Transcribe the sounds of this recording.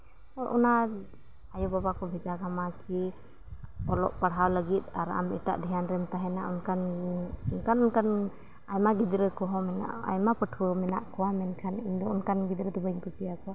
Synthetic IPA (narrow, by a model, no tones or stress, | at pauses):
ɔʔuna | ajɔbabakʰɔbʱid͡ʒaɡamakʰi | ɔlɔ̰ʔpaɽɦawləɡit̪̚aɾa̰mḭʈa̰ʔd̪ʱijanɾɛmt̪aɦɛnaunkʰanunkʰanunkʰan | ajmaɡid̪ɾɯkɔɦɔmɛna̰ʔa̰jmapəʈʰumɛnaʔkʰɔwamɛnkʰanind̪ɔunkʰanɡid̪ɾəd̪ubaiɲkɔsijakʰɔ